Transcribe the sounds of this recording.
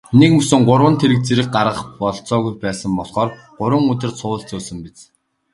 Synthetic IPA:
nekmɵsɵ̆ŋɢʊrwə̆nt̪ʰeɾɘ̆kt͡seɾɘ̆k̚ɢaɾʁə̆χpɔɮt͡sɔːɣujpæːsə̆mpɔɮχɔːr | ɢ̥ʊɾwə̆ŋɵt̪ɘ̆rsʰʊːɬt͡soːsə̆mpit͡s

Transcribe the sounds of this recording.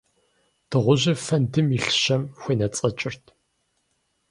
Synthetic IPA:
d̥ɨʁʷʊʑɐfɐndɨmiɬɕɐmxʷeːnɐt͡sʼɐt͡ʃʼɪrtʰ

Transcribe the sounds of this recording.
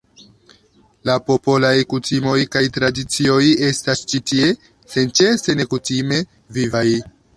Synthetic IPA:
lapo̞po̞lajkutimo̞jkajtɾadit͡sio̞je̞stast͡ʃitie̞ | se̞nt͡ʃese̞ne̞kutime̞ | vivaj

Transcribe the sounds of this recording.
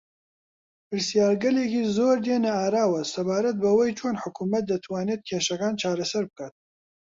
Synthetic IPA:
pɨɾsijaːɾɡɐlekiːzoːɾd̪eːnɐaːɾaːwɐsɐbaːɾɐt̪̚bɐwejt͡ʃʰonħʊkuːmɐt̪̚d̪ɐt̪ʰwaːneːt̪̚kʰeːʃɐkaːnt͡ʃʰaːɾɐsɐɾbɨkaːt̪̚

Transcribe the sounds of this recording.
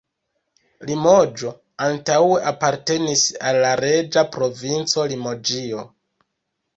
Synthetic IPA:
limo̞d͡ʒo̞ | antaweʔapaɾte̞nisalːaɾe̞d͡ʒapɾo̞vint͡so̞limo̞d͡ʒio̞

